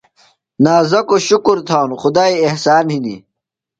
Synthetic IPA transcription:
naːzɐkoɕukuɾt̪ʰaːnuxʊd̪aːiehsaːnhinḭ

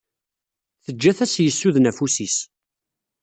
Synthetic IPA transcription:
θəd͡ʒːæθæsjəsːuðnæfusis

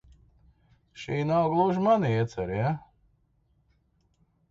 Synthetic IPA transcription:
ʃiːnawɡlˠuʒmaniɛt̪sɛɾja

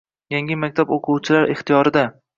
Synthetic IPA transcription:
jaŋʲɪmak̚ʲt̪ʰaboqʰʊwt͡ʃʰɪlaɾɪχt̪ijɒɾɪd̪a

